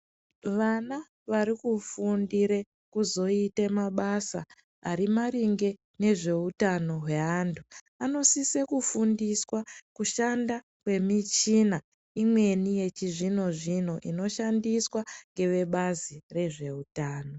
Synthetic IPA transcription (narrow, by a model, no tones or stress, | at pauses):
ʋana | ʋaɾikufundiɾe̞ | kuzo̞itemaɓasa | aɾimariŋɡe̞ | ne̞ʐe̞utano̞ɦwe̞antʰu | ano̞sisekufundiswakuʃanda | kwe̞mit͡ʃina | imwe̞nije̞t͡ʃiʐino̞ʐino̞ʔḭno̞ʃandiswaŋɡe̞ʋe̞ɓazire̞ʐe̞utaːno̞